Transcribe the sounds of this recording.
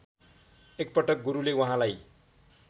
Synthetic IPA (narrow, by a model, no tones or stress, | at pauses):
ek̚pʌʈʌk̚ɡuɾulewʌɦãlaj